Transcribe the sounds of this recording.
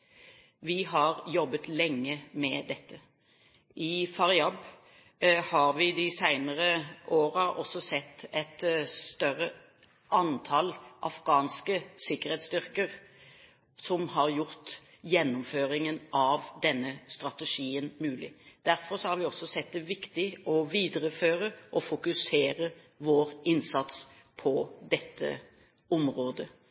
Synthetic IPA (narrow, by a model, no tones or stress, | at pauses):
ʋɪhɑʁjɔbːət̪lɛŋːəmɛd̪ɛt̪ʰːə | ʔɪfɑʁɪɑb | hɑɾʋɪd̪ɪsæɪnəʁəʔoːɾɑʔɔ̰sːɔsɛt̪ːɛt̪st̪œʁːə | ʔɑnt̪ʰɑlʔɑ̰fɡɑːnskəsɪkːəɾhɛɪt̪st̪ʏʁkəʁ | sɔmhɑʁjʊɾt̪ | jɛnːʊmføːɾɪŋənʔɑʋd̪ɛnːəst̪ɾɑt̪ɛʂiːənmʉːlɪd̪̥æɾfɔɾsɔhɑɾʋɪɔsɔsɛt̪̚d̪ɛʋɪkt̪ɪɔʋiːd̪əɾəføːɾəʔɔfʊkʉseːɾə | ʋoːɾɪnsɑt̪s | pʰɔd̪ɛt̪ʰːə̰ | ʊmʁoːd̪ə